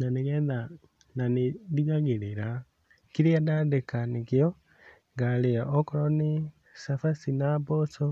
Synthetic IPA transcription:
naneɣɛːða | nanidiɣaɣiɾiɾa | kiɾiadadekanikio | ŋɡaleaʔokoɾoni | safasinaboso

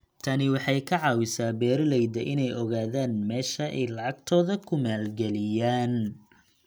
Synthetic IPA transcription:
t̪ʰɐnɪwɑħɑjkʰɐʕɑːwɪsaːbɛːrlɛjd̪ɐʔɪnɛjʔɔɣaːðaːnmɛːʃɐʔɛ̰jlɑʕɑɡ̚t̪ʰɔːðɐkʰʊmaːlɡɛlɪjaːn

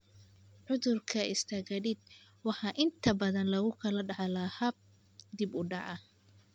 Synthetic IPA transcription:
ʕʊðʊrkʰɐɪst̪ʰɐɣɐdɪd̪̚wɑħɑːʔɪnt̪ʰɐbɐðɐnlɐɣʊkʰɐlɐɖɑʕɑlɐhɐb̚ | d̪ɪbʊɖɑʕɑ

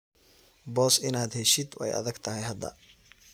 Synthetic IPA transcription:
bɔːsɪnaːd̪hɛʃɪd̪ɛ̰jɐ̰ðɐɡt̪ʰɐɦɛjɦɐd̪ːɐ̰

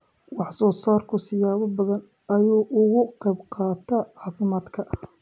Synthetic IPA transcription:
wɑħsɔːsaːrkʰʊsɪjaːβɐbɐðɐn | ɐjuːʔʊɣʊqɛjbqɑːt̪ʰɐʕɑːfɪmaːd̪kʰɐʔɐ

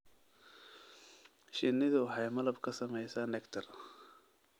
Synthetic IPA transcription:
ʃɪnɪðʊwɑħɑjmɐlɐbkʰɐsɐmɛjsaːnɛkt̪ʰɐr

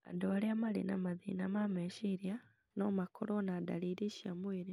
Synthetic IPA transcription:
a̰doliamalḭna̰maðḭnamameʃiɾja | nomakʰolonaːd̪a̰liɾiʃjamwiɾi

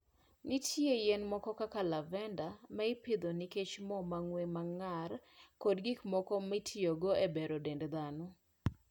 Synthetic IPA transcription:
nitʰjejɛnmɔkɔkakalavɛndamaɪpɪd̪oniket͡ʃmɔmaŋwemaŋarkodɡikmɔkɔmitʰioɡoebeɾodendd̪anɔ

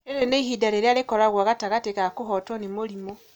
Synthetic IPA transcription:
eɾeneiɦidaɾeɾjalekolaɣwaɣataɣatekakuɦotonimolimo

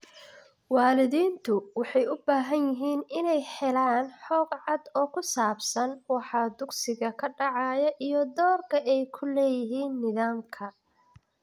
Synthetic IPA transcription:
wɑːlɪðiːnt̪ʰʊwɑħɑjʊbaːɦɐnjɪɦiːnɪnɛjħɛlaːnħɔːɡʕɑd̪ɔːkʰʊsaːbsɐnwɑħɑːd̪ʊɡsɪɣɐkʰɐɖɑʕɑːjɐʔijɔd̪ɔːrkʰɐɛjkʰʊlɛːjɪɦiːnːɪðaːmkʰɐ

